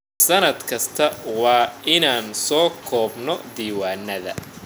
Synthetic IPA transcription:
sɐnɐd̪kʰɐst̪ʰɐwɑːʔɪnaːnsɔːkʰɔːbnɔd̪iːwaːnːɐðɐ̰

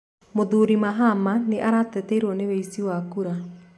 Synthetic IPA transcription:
moðuɾimaɦamaneʔaɾatɛteɾwɔneβeisiwakuɾa

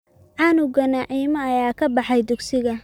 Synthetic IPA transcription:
ʕɑːnʊɡɐnaʕiːmɐːjaːkʰɐbɑħɑjd̪ʊɡsɪɣɐ

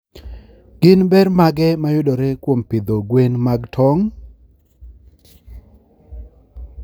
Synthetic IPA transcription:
ɡ̥ɪnbɛrmaɡɛmajʊdɔɾekwompɪd̪oɡwenmaɡtʰɔŋ

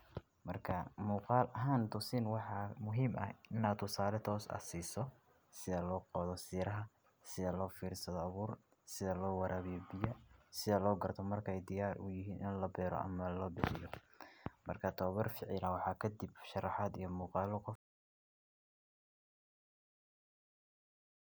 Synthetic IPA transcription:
mɐrkʰɐmuːqɑːlʔɐɦaːnt̪ʰʊsɪnwɑħɑmʊɦiːmʔɐ̰ɪnaːdt̪ʰːʊsaːlɛt̪ʰɔːsɐ̰siːsɔ | sɪðɐlɔːqɔːðɔsiːɾɐɦɐ | sɪðɐlɔːfiːɾsɐðɔɐβuːr | sɪðɐlɔːwɑɾʔaːβɪjɔbɪjɐsɪðɐlɔːɡɐrt̪ʰɔmɐrkʰɛjd̪ɪjaːrʔʊjɪɦiːnʔɪnlɐbɛːɾɔ̰ʔɐ̰mɐlɔːbɪħɪ̰jɔ | mɐ̰rkʰɐt̪ʰɔβɐrfɪʕɪlɐwɑħɑːkʰɐd̪ibʃɑrɑħɑːd̪ijɞmuːqɑːlɔqɔ

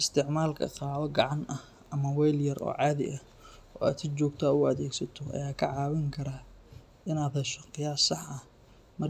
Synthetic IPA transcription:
ʔɪst̪ʰɪʕmaːlkʰɐ̰qɑːʕɔɡɑʕɑnɐh | ʔɐmɐwɛjljɐrʔɔ̰ːʕɑːðɪ̰ʔɐ | ɔ̰ːa̰ːd̪sɪt͡ʃɔːɡt̪ʰaːʊɐðɛːɡsɐt̪ʰɔʔɐ̰jaːkʰɐʕɑːwɪŋkʰɐɾaː | ɪnaːðɐʃɔqɪjaːsːɑħɐh | mɐr

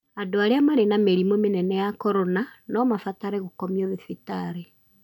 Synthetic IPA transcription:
adoaɾeamaɾenameɾimomenɛnɛjakɔɾonanɔmafataɾɛɣokɔmioðefitaɾe

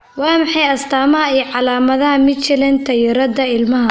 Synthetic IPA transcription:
wɑːmɑħɑjɐst̪ʰaːmɐɦɐijʕɑlaːmɐðɐɦɐmɪd̪t͡ʃɪlɛnt̪ʰɐjɪɾɐd̪ɐɪlmɐɦɐ

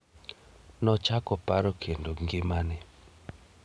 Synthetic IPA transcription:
nɔt͡ʃakɔpaɾɔkʰendoŋɡɪmanɪ

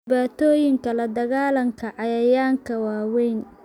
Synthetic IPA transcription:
baːt̪ʰɔːjɪŋkʰɐlɐd̪ɐɣaːlɐŋkʰɐʕɑjɐjaːŋkʰɐwaːwɛjn

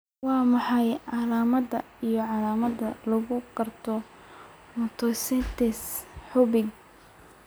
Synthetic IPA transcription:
wɑːmɑħɑjʕɑlaːmɐd̪ɐ | ijɔʕɑlaːmɐdɐlɐɣʊɡɐrt̪ʰɔ | mɔt̪ʰɔsɛnt̪ʰɛsħʊbɪɡ̚

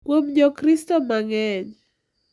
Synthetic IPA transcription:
kwomɲɔkɾistɔmaŋɛɲ

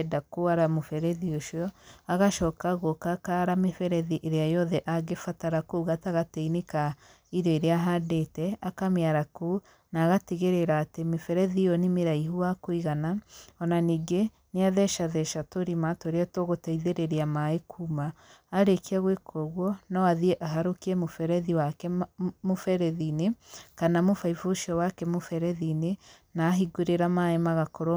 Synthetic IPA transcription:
ɛdakoaɾamofɛɾɛðioʃɔaɣaʃɔkaɣokakaɾamefɛɾɛðiʔeɾeajɔðɛʔaɣefataɾakoɣataɣateineka | iɾjɔeɾeaɦadetɛakamjaɾako | naːɣateɣeɾeɾaːtemefɛɾɛðiɔnimeɾaiɦuwakwiɣanaɔnaniɡe | neaðɛʃaðɛʃatoɾimatoɾeɔtoɣotaiðeɾeɾiamaekʰumaːɾekiaɣwekʰoɣwɔnɔaðiɛʔaɦaɾokiɛmofɛɾɛðiwakɛmofɛɾɛðinekanamofaifoʃiɔwakɛmofɛɾɛðine | naːɦiɡuɾeɾamaemaɣakɔɾo

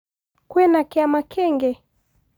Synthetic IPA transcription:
kwɛnakɛamakʰɛŋɡɛ

